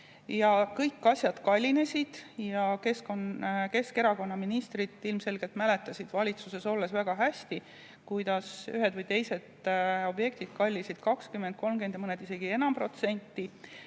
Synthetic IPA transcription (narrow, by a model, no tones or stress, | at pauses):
jɑkɤjkːɑsʲjɑd̪̥kɑlʲːine̞sʲid̪̥jɑke̞skonke̞ske̞ɾɑko̞nːɑminist̪rit̪ːˑilmse̞lɡ̥e̞lt̪mæle̞t̪ːˑɑsʲid̪̥vɑlʲit̪suse̞so̞lːe̞svæɡ̥ɑɦæsʲt̪i | kujd̪̥ɑsyɦe̞d̪vɤjt̪e̞jse̞d̪o̞bje̞kt̪id̪̥̚kɑlʲːisid̪̥kɑkskymːe̞nd̪̚ko̞lmɡe̞nd̪jɑmɤned̪̥ise̞ɡ̥ie̞nɑmpro̞t̪se̞nʲt̪ˑːi